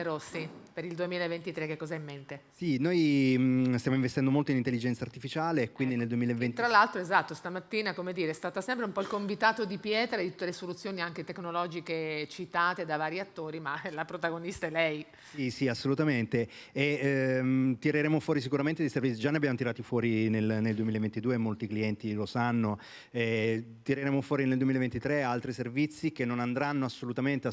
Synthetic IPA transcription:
eɾosipeɾild̪uemiːlaevent̪it̪ɾekːekːɔzaimːent̪esinoj | st̪jamoiɱvest̪ɛnd̪omolt̪oinint̪elːid͡ʒɛnt̪sart̪ifit͡ʃaːlekwind̪ineld̪uemilaevet̪ɾalːalt̪ɾoezat̪ːost̪amat̪ːiːnakomed̪iːɾest̪aːt̪asɛmpɾeumpɔilkoɱvit̪aːt̪od̪ipjɛːt̪ɾad̪it̪ut̪ːelesolut̪sːjoːniaŋk̟et̪ekːnolɔd͡ʒiket͡ʃit̪aːt̪ed̪avaːɾjiat̪ːoːɾimalapɾot̪aɡonist̪aɛlɛj | sisiasːolut̪ament̪e | e | t̪iɾeɾeːmofwɔːɾis̬ikuɾament̪ed̪ejservit̪sid͡ʒaneabjamot̪iɾaːt̪ifwɔːɾinelneld̪wemilaevent̪id̪uːemːolt̪ikliɛnt̪ilosanːo | ɛt̪iɾeɾeːmofwɔːɾineld̪wemilevent̪it̪ɾealt̪ɾiservit̪sːik̟enːonand̪ɾanːoasːolut̪ament̪e

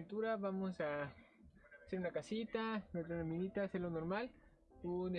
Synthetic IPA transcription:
nt̪uɾaβamosa | seɾunakasit̪anet̪aunaminit̪aseɾlonoɾmal | une

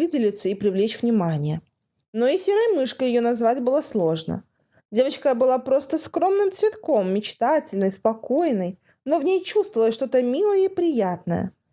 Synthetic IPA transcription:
ɨdʲɪlʲɪt̪səipɾʲɪvlʲet͡ɕvnʲɪmanʲɪjə | no̞ɪsʲeɾəjmɨʂkəjɪjo̞nɐzvatʲbɨlˠaslˠo̞ʐnə̰ | dʲe̞vət͡ɕkəbɨlˠapɾo̞st̪əskɾo̞mnɨmt̪svʲɪt̪ko̞mːʲɪt͡ɕt̪atʲɪlʲnɨjspɐko̞jnəj | no̞vnʲejt͡ɕust̪vəvəlˠəsʲʂt̪o̞t̪əmʲilˠəjəipɾʲɪjat̪nə̰jə̰

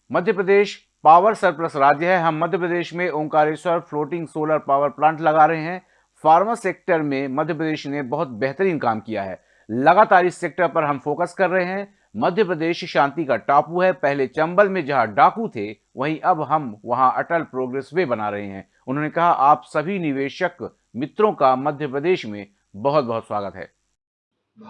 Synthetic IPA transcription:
mɐd̪ʱjəpɾəd̪eːʃ | paːʋəɾsɐɾpɾəsɾaːd͡ʒjəɦɛɦɐmːɐd̪ʱjəpɾəd̪eːʃmẽõŋkaːɾesəɾfloːʈɪ̃ŋɡsoːləɾpaːʋəɾplãːɳʈlɐɡaːɾɐɦeɦɛ̃ː | faːɾmaseːk̚ʈəɾmẽmɐd̪ʱjəpɾəd̪eːʃnebɐɦʊt̪̚bɛɦt̪əɾiːnkaːmkija̰ɦɛ̰ː | lɐɡaːt̪aːɾiseːk̚ʈəɾpɐɾɦɐmfoːkəskɐɾːɐɦeɦɛ̃ | mɐd̪ʱjəpɾəd̪eːʃʃãːnt̪ikaʈaːpuɦɛpɛɦlet͡ʃɐ̃mbəlmẽd͡ʒɐɦãɖaːkut̪ʰe | ʋɐɦĩʔɐbɦɐmʋɐɦãʔɐʈəlpɾoːɡɾɛːswebɐnaːɾɐɦeɦɛ̰̃ː | ʊnɦõːnekɐɦaʔaːpsɐbʱinɪʋeːʃək | mɪt̪ɾõkamɐd̪ʱjəpɾəd̪eːʃmẽ | bɐɦʊt̪̚bɐɦʊt̪swaːɡət̪ɦɛ̰ː

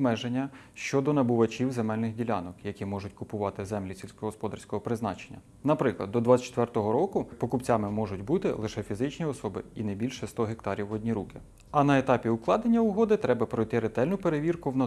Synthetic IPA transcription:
mɛʒenʲːɐ | ʃt͡ʃɔd̪ɔnɐbʊʋɐt͡ʃʲiwzemɛlʲnɪɣdʲilʲɑnɔkjɐkʲimɔʒʊtʲkʊpʊʋɑt̪ɪzɛmlʲisʲilʲsʲkɔɦɔspɔd̪ɐrsʲkɔɦɔpɾɪznɑ̰t͡ʃenʲːɐ | nɐpɾɪklˠɐd̪dːɔd̪ʋɑt͡sʲt͡ʃt̪ʋɛrt̪ɔɦɔɾɔkʊpɔkʊpt͡sʲɑmɪmɔʒʊtʲbut̪ɪ̰lˠɪʃɛfʲizɪt͡ʃnʲiɔsɔbɪinɛbʲilʲʃɛst̪ɔɦek̚t̪ɑɾʲiwɔdʲnʲiɾukɪ | ɐnɐet̪ɑpʲiʊklˠɑd̪enʲːɐʊɦɔd̪ɪt̪ɾɛbɐpɾɔjt̪ɪɾet̪ɛlʲnʊpeɾeʋʲirkʊwnɐ

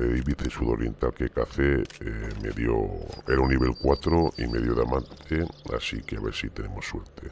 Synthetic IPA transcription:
eðiβiθesuðoɾjent̪alkekaθemḛðjo̰eɾaunːiβ̞e̞lkwat̪ɾoimeðjoðamãnt̪ʰea̰sikeaβḛɾsit̪e̞ne̞mosːweɾt̪ʰe

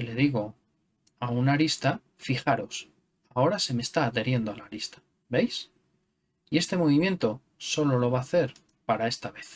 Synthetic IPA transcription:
ile̞ðiɣ̞o̞ | aunaɾist̪a | fixaɾo̞s | ao̞ɾase̞me̞st̪aːðe̞ɾje̞nd̪oalaɾist̪ḁ | be̞js | ie̞st̪e̞mo̞βimje̞nt̪o̞ | so̞lo̞lo̞β̞aːθe̞ɾ | paɾae̞st̪aβe̞θ

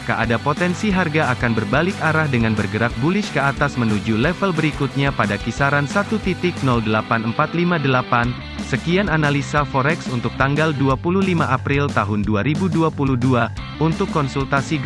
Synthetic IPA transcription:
kəʔa̰dapot̪ɛnsiɦarɡaakanbərbalɪkaɾahdəŋanbərɡəɾak̚bulɪʃkəat̪asmənud͡ʒulɛfəlbəɾikut̪̚ɲapadakisaɾansat̪ut̪it̪ɪk̚nɔldəlapanəmpat̪limadəlapan | səkiananalisafɔɾɛksunt̪ʊk̚t̪aŋɡalduapuluhlimaʔapɾilt̪aɦʊnduaɾibuduapuluhdua | unt̪ʊkːɔnsult̪asi

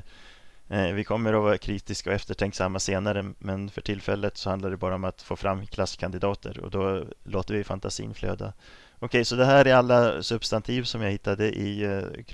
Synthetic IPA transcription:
vɪkʰɔmːəɾɔvɑːɾakʰɾiːt̪ɪskaɔɛft̪əʈʰɛŋksamːaseːnaɾəmɛnfœʈʰɪlfɛlːət̪sɔhand̪aɖɛbɑːɾaɔmat̪foːfɾʔamːkʰlaskʰand̪ɪd̪ɑːt̪ʰə̰ɾɔ̰d̪ɔloːt̪əɾvɪfant̪ʰasḭːnflø̰ːd̪a̰ | ɔkʰɛjsɔd̪ɛɦæːɾæɾalːasɵbst̪ant̪ʰiːvsɔmjaɡhɪt̪ːad̪əʔɪkʰ

